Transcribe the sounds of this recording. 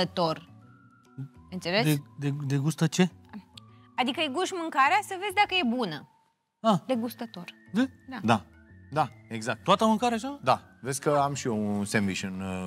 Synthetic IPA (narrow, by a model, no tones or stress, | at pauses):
ət̪o̞r | ənt̪selesed̪ed̪eɡust̪ət͡ʃe̞ | ad̪ikəeɡuʃmɨŋkaɾeasəvezʲd̪akəje̞bunə | ad̪eɡust̪ət̪ord̪ed̪ad̪a | d̪aeɡzak̚t̪t̪oat̪əmɨ̃ŋkaɾeaʃad̪avezʲsʲkəamʃiounsemviʃɨn